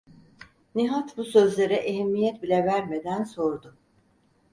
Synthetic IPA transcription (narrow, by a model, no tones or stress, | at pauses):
niɦat̪busøzlʲe̞ɾɛʔeɦɛmːijɛt̪̚bilʲɛvæɾme̞d̪ænso̞ɾd̪ʊ